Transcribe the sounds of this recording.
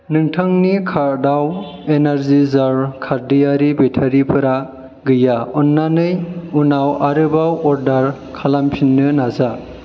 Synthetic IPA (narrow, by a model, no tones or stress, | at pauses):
nɯŋtʰɯŋnikʰaɾdaw | enaɾzizaɾkʰaɾdijaɾibetʰaɾipʰɯɾa | ɡɯjaɔnːanɯjunawaɾɯbawɔɾdaɾ | kʰalampʰinːɯnaza